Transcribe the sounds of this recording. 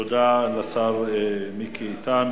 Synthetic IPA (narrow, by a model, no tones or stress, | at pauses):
od̪alasaʁemikʰiːt̪an